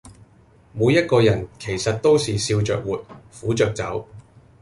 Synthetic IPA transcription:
mu˨˧jːɐ˥t̚kɔː˧jɐ˨˩nkʰe˨˩jsɐ˨t̚t̪o˥wsiː˨siː˧wt͡ʃœ̰ː˨k̚wuː˨t̚fuː˨˥t͡ʃœː˨k̚t͡sɐ̰˨˥w

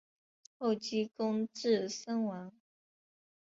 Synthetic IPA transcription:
xo˥˩ʊt͡ɕi˥kʊ˥ŋʈ͡ʂɻ̩˥˩sə˥ŋwɑ˧˥ŋ

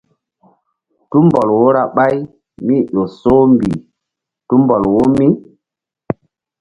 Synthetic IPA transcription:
tu˦mbɔ˨lwo˦ɾa˨ɓa˦j | mi˦ɗo˨so˦mbḭ˨ | tu˦mbɔ˨lwo˦mi˦

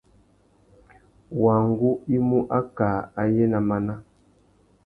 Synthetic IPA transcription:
wa˨ŋ˦ɡu˦i˦mu˦ʔa˦ka˨a˨je˦na˨ma˨na˦

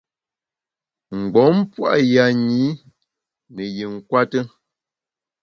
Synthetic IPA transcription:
ŋ̩˨ɡ͡bɔ˨˦m˦pwa̰˦ʔja˨ɲi˨˦ | nə˨je˨ŋ̩˨kwa˦tə˦

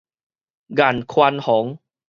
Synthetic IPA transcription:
ɡa˨˩nkʰwa˧nhɔ˨˩˦ŋ

